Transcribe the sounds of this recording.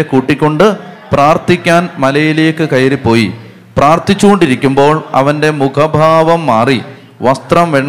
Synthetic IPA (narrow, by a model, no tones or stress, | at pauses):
ekuːʈːikʲːo̞ɳɖɨpraːrt̪ikʲːaːnmɐlɐjileːkːɨkɐjɐɾipːo̞ːji | praːrt̪it͡ɕːuɣo̞ɳɖiɾikʲːumbo̞ːɭɐ̰ʋɐnde̞mukʰɐbʱaːʋɐmːaːri | ʋɐst̪rɐmʋeɳː